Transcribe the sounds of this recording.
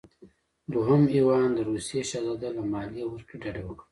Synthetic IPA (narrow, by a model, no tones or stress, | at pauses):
d̪uɦʊmiwɑːnd̪əɾusijeʃazad̪alamɑːlijewəɾkiɖaɖewəkɽa